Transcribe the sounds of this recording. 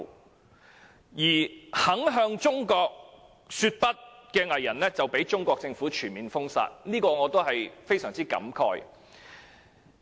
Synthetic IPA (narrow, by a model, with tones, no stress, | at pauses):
jiː˨˩hɐ˨˥ŋɦœː˧ŋt͡ʃʊ˥ŋkɔː˧k̚ | syː˧t̚pɐ˥t̚kɛː˧ŋɐ˨˩jːɐ˨˩nlɛː˥t͡sɐ˨wpe˨˥jt͡sʊ˥ŋkʷɔː˧k̚t͡sɪ˧ŋfuː˨˥t͡ʃʰyː˨˩nmiː˨nfʊ˥ŋsa̰ː˧t̚niː˥kɔː˧ŋɔː˨˧t̪o˥wɦɐ˨jfe˥jsœː˨˩ŋt͡siː˥kɐ̰˨˥mkʰɔ̰ː˧j